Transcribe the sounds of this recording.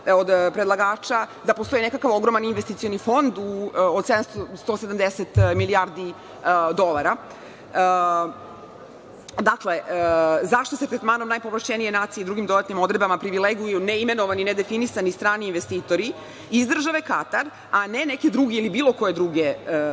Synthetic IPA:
od̪pɾed̪lˠaɡaːt͡ʃad̪apost̪o̞ine̞kakaʋo̞ɡɾo̞maninʋest̪it̪sijo̞nifo̞nd̪uod̪sed̪amsst̪o̞ːsed̪amd̪eset̪miliaɾd̪i | d̪o̞lˠaɾa | d̪akleʔzaʃt̪oset̪ɾet̪maːnomnajpo̞ʋlaʃt͡ʃenije̞naːt̪sieid̪ɾuːɡimd̪o̞d̪at̪nimo̞d̪ɾebamapɾiʋileɡujuneime̞noʋanined̪e̞finisanist̪ɾaːniːnʋest̪iːt̪o̞ɾi | izd̪r̩ʒaʋekat̪aɾ | aneneked̪ɾuɡeilibiːlo̞ko̞je̞d̪ɾuɡe

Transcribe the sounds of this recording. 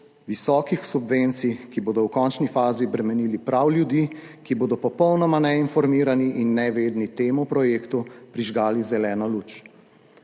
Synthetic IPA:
ʋisɔːkixsubʋent̪sikiboːd̪ɔwkɔnt͡ʃnifaːzibɾɛmɛniːlipɾawljud̪iː | kiboːd̪ɔpɔpɔwnɔmanɛinfɔɾmiːɾaniʔinːɛʋeːd̪nit̪eːmupɾɔjeːkt̪upɾiʒɡaːlizɛlɛːnɔluːt͡ʃ

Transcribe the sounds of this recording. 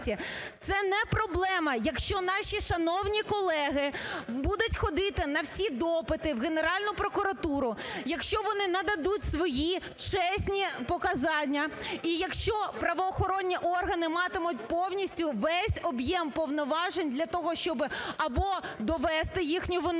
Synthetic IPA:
tʲit̪sɛnɛpɾɔblˠɛmɐjɐkʃt͡ʃɔnɑʃʲiʃɐnɔwnʲikɔlˠɛɦɪbud̪ʊtʲxɔd̪ɪt̪ɪnɐwsʲid̪ɔpɪt̪ɪwɣeneɾɑlʲnʊpɾɔkʊɾɐt̪uɾʊjɐkʃt͡ʃɔʋɔnɪnɐd̪ɐd̪utʲsʋɔji | t͡ʃɛsʲnʲipɔkɐzɑnʲːɐijɐkʃt͡ʃɔpɾɐʋɔːxɔɾɔnʲːiʔɔrɦɐnɪmɑt̪ɪmʊt̚ʲpɔwnʲisʲtʲʊʋɛsʲɔbjɛmpɔwnɔʋɑʒenʲd̪lʲɐt̪ɔɦɔʃt͡ʃɔbɪɐbɔd̪ɔʋɛst̪ɪjixnʲʊʋɔn

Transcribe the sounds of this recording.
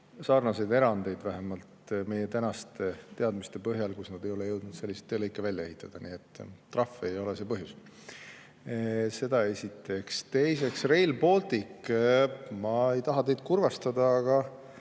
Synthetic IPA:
sɑːrnɑse̞jd̪e̞ɾɑnd̪e̞jd̪̥væɦemɑlt̪me̞jet̪ænɑst̪et̪e̞ɑd̪mist̪e̞pɤɦjɑlkusnɑd̪e̞jo̞lejɤwd̪̥̚nud̪se̞lʲːiset̪ːeːlɤjkːˑevælʲːjɑe̞ɦit̪ːˑɑd̪̥ɑniːet̪ˑːrɑfːejo̞lese̞ːpɤɦjus | se̞d̪̥ɑe̞sʲit̪ːˑe̞kst̪e̞jse̞ksre̞jlbo̞ːlt̪ik | mɑe̞jt̪ɑɦɑt̪e̞jd̪̥̚kurvɑst̪ɑd̪ɑːɡ̥ɑ

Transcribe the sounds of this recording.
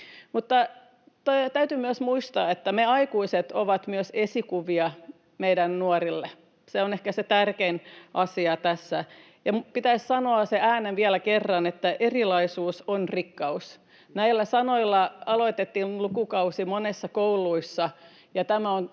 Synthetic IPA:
mut̪ːɑ | t̪ot̪æyt̪ymyøsmuist̪ɑːet̪ːæmeɑikuiset̪oʋɑt̪myøsesikuʋiɑ | meidænnuorilːe | seonehkæset̪ærkeinʔɑsiɑt̪æsːæ | jɑmpit̪æissɑnoɑseæːneʋiælækerːɑnet̪ːæʔerilɑisuːsonrikːɑus | næilːæsɑnoilːɑɑloit̪et̪ːiːnlukukɑusimonesːɑkoulˑuisːɑ | jɑt̪æmæon

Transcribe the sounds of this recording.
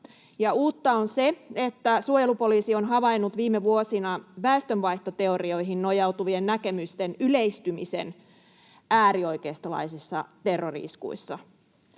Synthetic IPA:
jɑuːt̪ːɑonseet̪ːæsuojelupo̞liːsio̞nɦɑʋɑinːut̪ʋiːmeʋuosinɑʋæest̪ønʋɑiht̪ot̪e̞orio̞iɦinno̞jɑut̪uʋiennæke̞myst̪enyleist̪ymḭsḛn | æːɾio̞jkeːst̪olɑ̰isisːɑ̰t̪erːorḭskṵisːɑ

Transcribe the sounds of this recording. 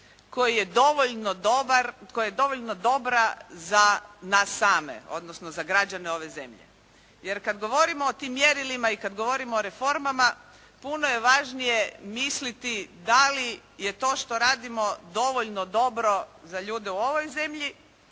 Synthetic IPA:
ko̞jije̞d̪oʋoʎnod̪obaɾkojajed̪o̞ʋoʎno̞d̪o̞bɾazanasːaːme̞̰o̞̰d̪nosno̞zaɡɾad͡ʒaneo̞ʋe̞ze̞̰mʎḛ | je̞ɾkad̪ɡo̞ʋo̞ɾimoːt̪imːje̞ɾilimaikad̪ɡo̞ʋo̞ɾimoːɾefo̞ɾmama | punoje̞ʋaʒnije̞mislit̪id̪alije̞t̪o̞ːʃt̪o̞ɾaːd̪imo̞d̪o̞ʋoʎnod̪o̞bɾo̞zaʎuːd̪euo̞ʋo̞jze̞mʎi

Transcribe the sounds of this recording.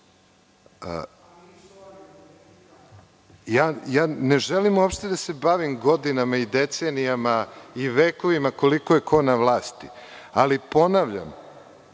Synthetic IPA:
jaːjaːneʒelimuopʃt̪e̞d̪ase̞baʋimɡo̞d̪inamaid̪et̪senijamaiʋeːko̞ʋimako̞likojekʰo̞naʋlˠaːst̪ialipo̞naʋʎa̰m

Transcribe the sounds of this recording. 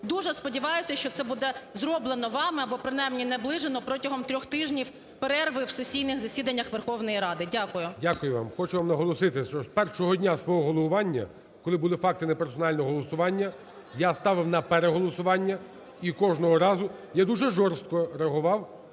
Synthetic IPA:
d̪uʒɛspɔdʲiʋɑjʊsʲɐʃt͡ʃɔt̪sɛbud̪ɛzɾɔblˠenɔʋɑmɪɐbɔpɾɪnɑjmnʲinɛblˠɪʒenɔpɾɔtʲɐɦɔmt̪ɾʲɔxt̪ɪʒnʲiw | peɾɛrʋɪwsesʲijnɪxzɐsʲid̪ɐnʲːɐxʋerxɔwnɔjiɾɑd̪ɪdʲakʊjʊdʲakʊjʊʋɑ̰mxɔt͡ʃʊʋamnɐɦɔlˠɔsɪt̪ɪst͡ʃɔpɛrʃɔɦɔdʲnʲasʋɔɦɔɦɔlˠɔʋʊʋɑnʲːɐ̰ | kɔlˠɪbʊlˠɪfɑk̚t̪ɪnɛpɛrsɔnɑlʲnɔɔɦɔlˠɔsʊʋɑnʲːɐ | jast̪ɑʋɪwnɐpeɾeɦɔlˠɔsʊʋɑnʲːɐ | ikɔʒnɔɦɔɾɑzʊjad̪uʒɛʒɔrst̪̚kɔɾeɐɦʊʋɑw

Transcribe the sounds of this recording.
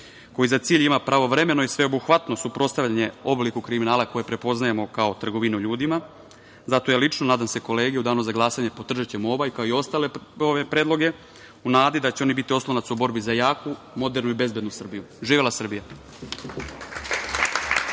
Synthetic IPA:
ko̞jizat̪siːʎimapɾaʋo̞ʋɾe̞me̞noisʋe̞o̞buxʋat̪no̞supɾo̞tst̪aʋlʎaɲe̞o̞blikukɾiminaːlako̞jepɾe̞po̞znajemo̞kao̞t̪r̩ɡo̞ʋinuʎuːd̪ima | zat̪o̞jalit͡ʂnonaːd̪amse̞ko̞le̞ːɡeud̪aːnozaɡlˠaːsaɲe̞po̞t̪ːr̩ʒet͡ɕemo̞ʋajkaoio̞st̪aːle̞oʋe̞pɾeːd̪lˠo̞ɡe̞ | unaːd̪id̪at͡ɕeo̞nibit̪io̞slˠonat̪suubo̞ɾbizajaːku | mo̞d̪e̞ɾnuibe̞zbe̞d̪nusr̩biju | ʒiːʋelasr̩bija

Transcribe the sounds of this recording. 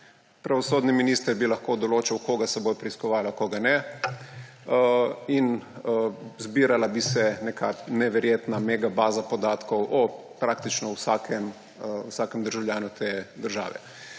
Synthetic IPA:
pɾaʋɔsoːd̪niminiːst̪əɾbilɐxkoːd̪ɔloːt͡ʃawkoːɡasɛboːjpɾiskɔʋaːlakɔɡanɛ | in | zbiːɾalabisɛnekʰanɛʋɛɾjeːt̪nameɡabaːzapɔd̪aːt̪kɔwʔɔ | pɾaːk̚t̪it͡ʃnɔwsaːkʰɛm | usaːkɛmd̪əɾʒawljaːnut̪ʰeːd̪əɾʒa̰ːʋɛ̰

